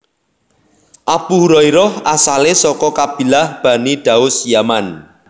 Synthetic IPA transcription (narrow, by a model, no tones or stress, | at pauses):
ʔabuhuɾɔiɾɔhasalesɔkɔkab̥i̤lahb̥a̤niɖ̥a̤ʊsjaman